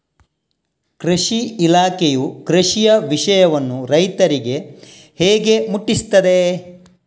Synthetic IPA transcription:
kɾeʂiilaːkejukɾeʃijɐʋiʂɐjɐʋɐnːuɾɐjt̪ɐɾiɡe̞ | heːɡe̞muʈːist̪ːɐd̪e̞

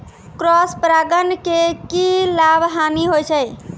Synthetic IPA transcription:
kɾɔspɾaɡənkekilabʱɦaniɦojt͡ʃʰəj

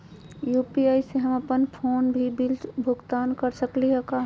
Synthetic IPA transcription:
juːpiaːjseɦəməpənpʰoːnbʱibilbʱʊɡt̪aːnkəɾsəkliɦɛka

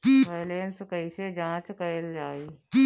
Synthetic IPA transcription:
ipɛɦlenskəised͡ʒãːt͡ʃkəɪld͡ʒaːiː

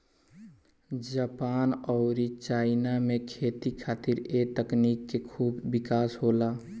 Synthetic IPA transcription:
d͡ʒəpaːnɔʊɾit͡ʃaːɪnamẽkʰeːt̪ikʰaːt̪iɾet̪əknikːekʰuːbːɪkaːsɦola

